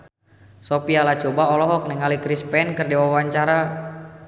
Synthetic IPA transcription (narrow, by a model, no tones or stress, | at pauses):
sopialat͡ʃɔbaɔlɔɦɔk̚niŋalikɾispɛnkɨrdiwawaɲt͡ʃaɾa